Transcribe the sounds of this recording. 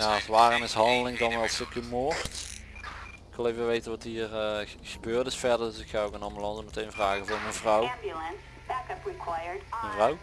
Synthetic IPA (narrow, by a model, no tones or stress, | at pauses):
jasʋaːranɪsɦɑndəlɪŋdɑnʋɛlˠstɪkəmoːɹt | ɪkʋɪlˠejvəʋejtənʋɑtɦiːrə | ɣəbøːrtɪsfɛɹdəɹdɵsɪkxaːokənɑmbylɑnzəmətejnvraːɣəvʊːɹmənvrɔwbjlˠə̃ns | b̥ækʌpɹikʰw̥ajə˞dmənvrɔw